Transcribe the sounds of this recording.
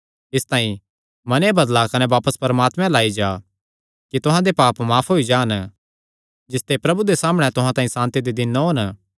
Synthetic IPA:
ɪst̪ãːĩ | mɐnebɐd̪lakɐneʋaːpəspɐɾmaːt̪mɛ̃laːid͡ʒaː | kit̪ʊɦãd̪epaːpmaːpʰɦoːid͡ʒaːn | d͡ʒɪst̪epɾɐbud̪esaːməɽ̃ɛt̪ʊɦãt̪aːĩsãːnt̪id̪id̪ɪnːɦoːn

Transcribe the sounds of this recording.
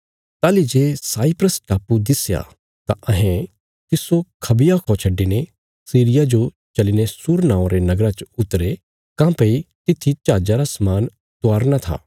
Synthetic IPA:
t̪aːlid͡ʒeːsaːipɾəsʈaːpud̪ɪsja̰ | t̪a̰ʔɐɦẽ | t̪ɪsokʰɐbɪjakʰɔ̃t͡ʃʰɐɖːine | siːɾɪjad͡ʒo | t͡ʃɐlinesʊɾnãːõɾenɐɡɾat͡ʃʊt̪ɾe | kãːpɐit̪ɪt̪ʰːit͡ʃaːd͡ʒaɾasɐmaːn | t̪ʊaːɾnat̪ʰa̰ː

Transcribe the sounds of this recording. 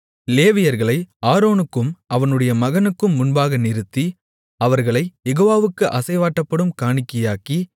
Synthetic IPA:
leːʋɪjɐɾɣɐɭɐɪaːɾoːnɯkːɯmɐʋɐnɯɽɐjɐmɐɣɐnɯkːɯmːʊnbaːɣɐnɪɾɯt̪ːi | ɐʋɐɾɣɐɭɐɪjɛɣoːʋaːʋɯkːɯʔɐsɐɪʋaːʈːɐpːɐɽɯmkaːɳɪkːɐjaːki

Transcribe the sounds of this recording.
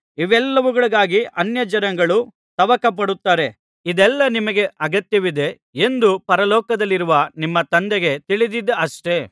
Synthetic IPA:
iʋɛlːɐʋuɡɐɭuɡaːɡiʔɐnjɐd͡ʒɐɾɐŋɡɐɭu | t̪ɐʋɐkɐp̬ɐɽut̪ːaːɾe̞ | id̪ɛlːɐnimɐɡe̞ʔɐɡɐt̪jɐʋid̪e̞ | end̪upɐɾɐlɔːkɐd̪ɐlːiɾuʋɐnimːɐt̪ɐnd̪ɛɡe̞t̪iɭid̪id̪ɐɐʂʈe̞

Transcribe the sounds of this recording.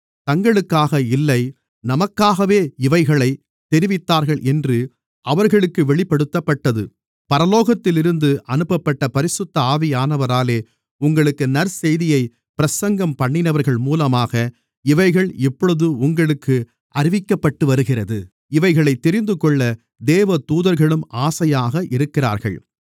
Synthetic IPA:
t̪ɐŋɡɐɭɯkːaːɣɐɪlːɐɪ | nɐmɐkːaːɣɐʋeːɪʋɐɪɣɐɭɐɪ | t̪ɛɾɪʋɪt̪ːaːɾɣɐɭʔɛndrɯ | ʔɐʋɐɾɣɐɭɯkːɯʋɛɭɪpːɐɽɯt̪ːɐpːɐʈːɐðɯ | pɐɾɐloːɣɐt̪ːɪlɪɾɯnd̪ɯʔɐnɯpːɐpːɐʈːɐpɐɾɪsɯt̪ːɐaːʋɪjaːnɐʋɐɾaːleː | ʊŋɡɐɭɯkːɯnɐɾsɛjðɪjɐɪ | pɪɾɐsɐŋɡɐmpɐɳːɪnɐʋɐɾɣɐɭmuːlɐmaːɣɐ | ɪʋɐɪɣɐɭɛpːɔɭɯðɯʊŋɡɐɭɯkːɯ | ʔɐɾɪʋɪkːɐpːɐʈːɯʋɐɾɯɣɪrɐðɯ | ɪʋɐɪɣɐɭɐɪt̪ːɛɾɪnd̪ɯkɔɭːɐ | d̪eːʋɐt̪uːðɐɾɣɐɭɯmaːsɐjaːɣɐʔɪɾɯkːɪra̰ːɾɣɐ̰ɭ

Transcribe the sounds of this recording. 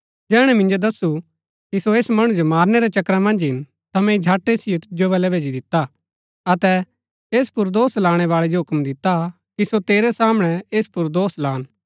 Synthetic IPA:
d͡ʒɛːɽ̃ɛmɪ̃nd͡ʒod̪ɐsu | kisoeːsmɐɽ̃ũd͡ʒomaːɾnɛɾɛt͡ʃɐkɾamɐ̃nd͡ʒɦɪn | t̪ɐmɛ̃id͡ʒʱaːʈːesɪjot̪ɪd͡ʒoβɛlɛʋʱeːd͡ʒid̪ɪt̪ːa | ɐt̪ɛ | eːspʊɾd̪oːslaːɽ̃ɛʋaːɭɛd͡ʒoɦʊkmd̪ɪt̪a | kisot̪eːɾɛsaːməɽ̃ɛeːspʊɾd̪oːslãːn

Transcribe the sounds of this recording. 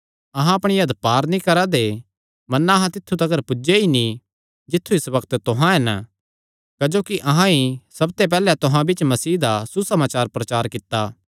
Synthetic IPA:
ɐɦãɐpɽ̃ijɐd̪paːɾnĩkɐɾad̪e | mɐnːaɐɦãt̪ɪt̪ʰːut̪ɐɡəɾpʊd͡ʒeini | d͡ʒɪt̪ʰːuɪsbɐkt̪t̪ʊɦãɦɛn | kɐd͡ʒoːkiʔɐɦãisɐb̚t̪ep̬ɛːlɛt̪ʊɦãbɪt͡ʃmɐsiːd̪asusɐmaːt͡ʃaːɾpɾɐt͡ʃaːɾkɪt̪ːaː

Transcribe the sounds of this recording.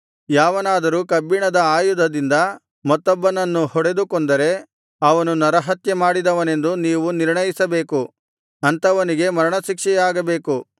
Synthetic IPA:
jaːʋɐnaːd̪ɐɾuːkɐbːiɳɐd̪ɐaːjud̪ʱɐd̪ind̪ɐ | mɐt̪ːɔbːɐnɐnːuhɔɽe̞d̪ukond̪ɐɾe̞ | ɐʋɐnunɐɾɐɦɐt̪jemaːɽid̪ɐʋɐne̞nd̪uniːʋuniɾɳɐjisɐbe̞ːku | ɐnt̪ɐʋɐniɡe̞mɐɾɐɳɐʃikʂɛjaːɡɐbe̞ːku

